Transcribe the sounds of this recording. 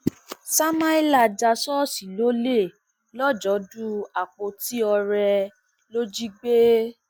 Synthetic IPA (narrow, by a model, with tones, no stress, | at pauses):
sa˦mã˦i˦la˨d͡ʒa˧sɔ˦si˨lo˦le˦˨ | lɔ˦d͡ʒɔ˨˦du˦a˨k͡po˧ti˦ɔ˧ɾɛ˧ | lo˦d͡ʒi˦ɡ͡be˦